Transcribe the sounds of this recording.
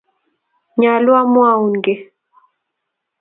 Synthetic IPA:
ɲa˨lwa˦mwa˦˨u˨nɡɛ˨

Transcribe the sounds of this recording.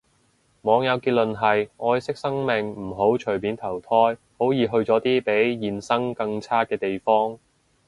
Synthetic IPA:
mɔː˨˧ŋjɐ˨˧wkiː˧t̚lɵ˨nɦɐ˨jʔɔː˧jsɪ˥k̚sɐ˥ŋme˨ŋm̩˨˩ɦo˨˥wt͡ʃʰɵ˨˩ɥmiː˨˥nt̪ʰɐ˨˩wt̪ʰɔː˥j | ho˨˥wjiː˨˧ɦɵ˧ɥt͡sɔː˨˥t̪iː˥pe˨˥jːiː˨nsɐ˥ŋkɐ˧ŋt͡sʰaː˥kɛː˧t̪e˨jfɔː˥ŋ

